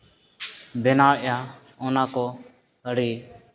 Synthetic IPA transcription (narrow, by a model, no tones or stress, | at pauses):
bɛnaːɭʔjaː | ɔnaːkɔ | əɽiː